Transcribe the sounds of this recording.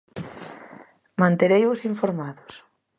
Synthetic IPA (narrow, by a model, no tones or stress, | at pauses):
mãnt̪eɾejβosiɱfoɾmaðʊs